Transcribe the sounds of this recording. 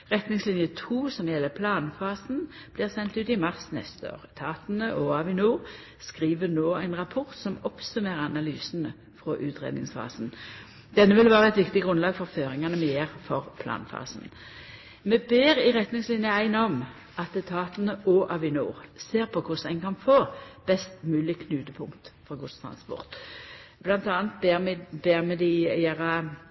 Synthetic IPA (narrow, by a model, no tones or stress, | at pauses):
ʁɛt̪nɪŋslɪnjət̪ʰuːsɔmjɛlːəpʰlɑːnfɑːsn̩b̥liːʁsɛnt̪ʉːt̪ɪmɑʁsnɛ̰st̪əo̰ːʁət̪ʰɑːt̪nəʔɔɑʋɪnuːʁ | skʁiːʋənoːæɪnʁɑpʰɔʁt̪sɔmɔpsʉmeːɾəɑnɑlyːsn̩ə | fʁɔːʔʉːt̪ʁḛːd̪nɪ̰ŋsfɑ̰ːsn̩ | d̪̥ɛnːəʋɪlʋæːʁəɛt̪ʋɪkt̪ɪɡʁʉnlɑːɡfɔʁføːʁɪŋɑnəmɛjeːʁfɔʁpʰlɑ̰ːnfɑ̰ːsn̩ | mɛbeːɾɪɾɛt̪nɪŋslɪnjəæɪnɔm | ɑt̪ɛt̪ʰɑːt̪ənəʔoːʔɑʋɪnṵːʁseːʁpʰɔkʰʊsæɪnkʰɑnfoːb̥ɛst̪mʉːlɪkʰnʉːt̪əpʰʊŋt̪fɔɡʊst̪ʰɾɑ̰nspɔ̰ʁt̪blɑnt̪ɑːnt̪̚beːmbeːʁmɛd̪ɪjeːʁɑ